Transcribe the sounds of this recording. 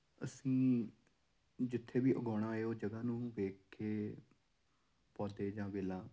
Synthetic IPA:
əsĩː | d͡ʒɪt̪ʰːeːbiːʔəɡɔːɽ̃ãːeoːd͡ʒəɡãːnũːʋeːkkʰeː | pɔːd̪eːd͡ʒãːʋeːlãː

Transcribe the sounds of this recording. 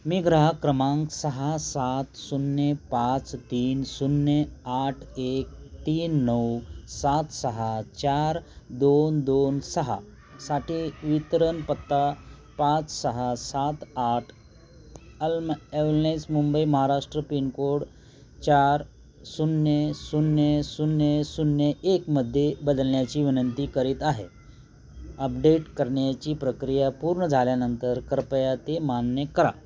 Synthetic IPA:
miɡɾəɦəkɾɐmãːŋksɐɦasat̪sunːjepãt͡st̪iːnsunjeaʈʰeːk̚t̪iːnːəwsat̪sɐɦət͡ɕaːɾd̪ond̪onsɐɦə̰ | saːʈʰiʋit̪ɾənpɐt̪ːa | pãːt͡ssɐɦəsat̪aːʈʰ | əlmeʋɾnajsmumbəiməɦaɾaʂʈɾəpinkoɽ | t͡ɕaɾ | sunjəsunjəsunjəsunjəekməd̪ʱːjebəd̪əlnjat͡ɕiːʋinənt̪iːkəɾiːt̪aɦḛ | əp̚ɖeʈkəɾɳjat͡ɕiːpɾəkɾijapuɾɳəd͡zʱaljanənt̪əɾkəɾpəjat̪emanjəkəɾa̰

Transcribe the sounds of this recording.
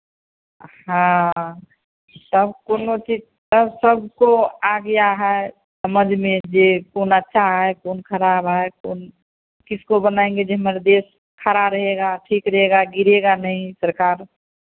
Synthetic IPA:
hã | t̪əbkoːnot͡ʃi | t̪əbsəbʱkoaɡəjaɦɛ | səməd͡ʒʱmẽd͡ʒekoːnətːʃʰaɦɛkoːnkʰəɾaːbɦaekoːn | kɪskobənaẽŋɡed͡ʒeɦmeɾed̪eːs | kʰəɾaɾəɦeɡaʈʰiːkɾɐɦeɡaɡɪɾeɡanəɦĩsəɾkaːɾ

